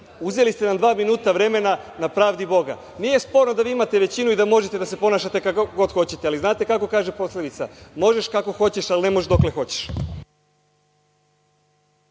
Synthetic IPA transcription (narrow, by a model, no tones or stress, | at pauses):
uzelist̪e̞nad̪ʋaːminuːt̪aʋɾe̞me̞na | napɾaːʋd̪ibo̞ɡa̰ | nieje̞spo̞ɾnod̪aʋiːimat̪e̞ʋe̞t͡ɕinuid̪amo̞ʒe̞t̪e̞d̪ase̞po̞naːʃat̪e̞kakɡo̞d̪xo̞t͡ɕe̞t̪ealiznaːt̪e̞kako̞kaːʒe̞po̞sled̪it̪samo̞ʒe̞ʃkako̞xo̞t͡ɕe̞ʃaline̞moʃd̪o̞kle̞xo̞t͡ɕe̥ʃ